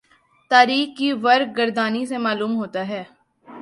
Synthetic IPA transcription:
t̪aːɾiːxkiʋɐɾɡ̚ɡəɾd̪aːnisemaːluːmɦoːt̪aɦɛː

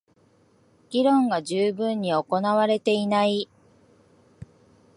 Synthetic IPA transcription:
ɡ̥ʲiɾõ̞ŋɡaʑɨːbɯ̟̃ɲ̟ːio̞ko̞naβaɾe̞t̪e̞inai

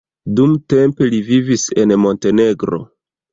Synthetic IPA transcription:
dumte̞mpe̞livivise̞nmo̞nte̞ne̞ɡɾo̞̰

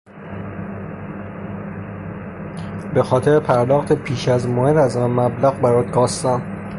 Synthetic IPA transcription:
be̞xɒːt̪ʰe̞ɾepʰæɾd̪ɒːxt̪ʰe̞pʰiːʃæzmohed̪æznmæblæɣbæɾɒːd̪̚ɡɒːst̪æm

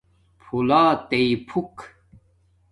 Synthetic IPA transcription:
pʰulaːt̪ejpʰuk

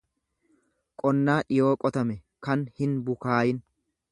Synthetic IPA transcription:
kʼɔnːaːʔɪjoːkʼɔt̪ɐmɛ | kɐnhɪnbʊkaːjɪn

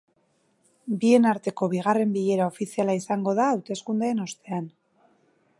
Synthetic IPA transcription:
bie̞naɾt̪e̞ko̞βiɣ̞are̞mbiʎe̞ɾao̞fisialaisaŋɡo̞ðaːwt̪e̞skund̪eeno̞st̪e̞an

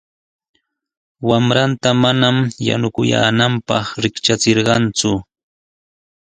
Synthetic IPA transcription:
wamɾant̪amanamja̰nʊkʊja̰ːnampɑχɾɪkt͡ʃat͡seɾɢɑnt͡sʊ

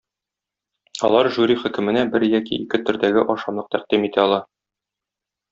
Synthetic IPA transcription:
ɒ̰lˠɑɾʒuɾʲiχɵ̆kɘ̆mɘ̆næbɘɾjɒkḭːkɘt̪ɵ̆ɾd̪æɡɘʔɒʃɑmlˠɤqt̪æqd̪imit̪æɒlˠɑ

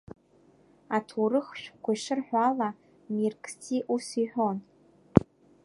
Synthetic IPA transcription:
atʰurɨχʃᶣkʷaʂɨrħʷᶣala | mirkʰʼtʰiʔusiħʷᶣon

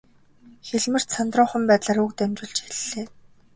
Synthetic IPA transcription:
xeɮmɘ̆r̥t̪sant̪rʊːχə̆mpæːt̪ɮaːɾukt̪æmt͡ɕɪ̆ɮt͡ɕiɮːeː

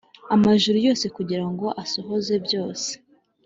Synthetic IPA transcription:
amaʒuɾujo̞ːse̞kuɟiɾaŋɡo̞ʔasoɦo̞ze̞bjo̞ːse̥

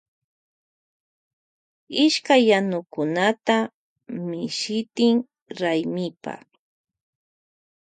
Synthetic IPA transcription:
ɪʃkajːanʊkʊnat̪a | mɪʃɪt̪ɪŋ | ɾajmɪpa̰

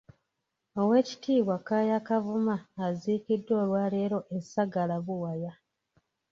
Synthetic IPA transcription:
o̞we̞ːci̥tʰiːβwakaːjakavumaːziːkidːo̞ːlwaːle̞ːɾo̞ʔesaɡalaβuwaja

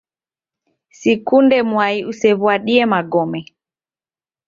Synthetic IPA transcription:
sikundɛmuaiusɛβwaɗiɛmaɡɔmɛ

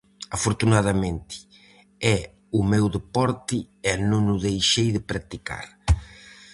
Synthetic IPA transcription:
afoɾt̪unaðɐmẽnt̪ɪ̥ | ɛ | ʊmɛwðepɔɾt̪ɪ | ɛnõŋʊðejʃejðɪpɾak̚t̪ika̰ɾ

